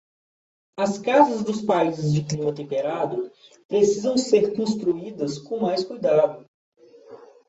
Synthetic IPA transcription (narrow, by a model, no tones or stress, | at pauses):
ɐskazɐzd̪ʊspajzɪzd͡ʒɪklimɐt̪ẽpeɾad̪ʊ | pɾesizɐ̃w̃seɾkõst̪ɾuid̪ɐskõmajskujd̪ad̪ʊ